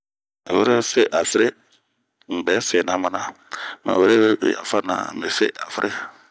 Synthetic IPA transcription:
a˨we˦ɾe˦˨fe˦ʔa˨fe˦ɾe˦ | ŋ̩˨bɛ˨˦fɛ˨nã˦mã˨˦nã˦ma̰˨we˦ɾḛ˦˨ja̰˨fa˦nã̰˨me˨fḛ˦ʔa˨fɾʔe˦

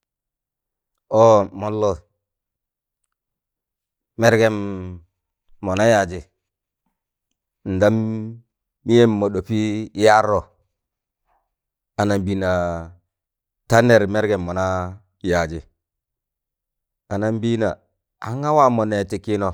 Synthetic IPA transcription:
o˦mo˨˦lːo˦˨ | me˦ɾɡe˦m | o˨na˦ja˨d͡ʒi˨ | n̩˨da˦mː | i˦je˦mːo˨ɗo˨pi˦ja˦ɾo˨ | a˨na˨mbi˦na˨ | ta˦ne˨ɾme˦ɾɡe˨mːo˨na˦ | ja˨d͡ʒi˨ | a˨na˦m˦bi˦na˨ | a̰˨˦ŋa˦wa˦˨mo˨ne˨ti˨ki˦no˨

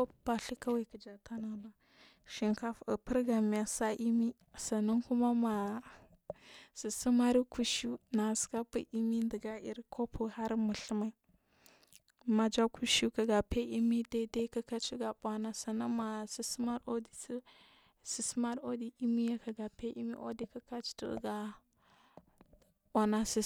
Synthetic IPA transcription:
ko˦˨ba˨ɬi˦ka˦wi˨kə˨d͡ʒa˨ta˦na˨na˨ | ʃi˨ŋka˦fə˨pə˦ɾɡa˨mi˨ja˨sa˦ʔi˦mi˦ | sa˨na˦ŋku˦ma˦ma˨ | si˨si˦ma˦ɾi˦ku˦ʃu˦na˨ska˦pḭ˦ʔi˦mi˦ndə˨ɡa˦ḭ˦ɾkʰo˦pʰu˨ha˦ɾmə˨ɬə˦ma˨i˨˦ | ma˨d͡ʒa˦ku˦ʃu˦ka˨ɡa˨pe˦i˦mi˦da˦da˦ka˦ka˦t͡ʃi˦ɡa˨ɓʷa˦na˦sa˨na˦ma˨si˨su˦ma˦ɾo˦di˨˦ | si˨sma˦ɾo˦di˨ʔi˦mi˦ja˦ka˨ɡa˨pe˦ʔḭ˦mḭ˦ʔo̰˦di˦ka˦ka˦t͡ʃtṵ˦ɡa˨ | ɓʷa˨na˦si˨

